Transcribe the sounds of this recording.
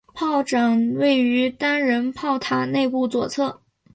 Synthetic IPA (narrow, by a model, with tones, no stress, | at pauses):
pʰɑ˥˩ʊʈ͡ʂɑ˨˩ŋwe˥˩ɪy˧˥t̪a˥nɻə˧˥npʰɑ˥˩ʊt̪ʰa˨˩ne˥˧ɪpu˥˩t͡swɔ˨˩t͡sʰɤ˥˩